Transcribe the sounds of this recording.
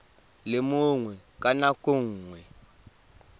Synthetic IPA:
lɪmʊŋwɛkʼanakʼuŋ̩ŋwɛ

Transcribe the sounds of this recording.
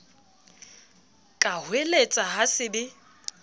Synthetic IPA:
kʼahwelet͡sʼaɦasɪdɪ

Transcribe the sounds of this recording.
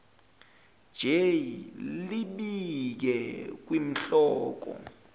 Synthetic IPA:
d͡ʒ̥ʱejiliɓik̬ɛk̬wim̩ɬɔːk̬ɔ̰

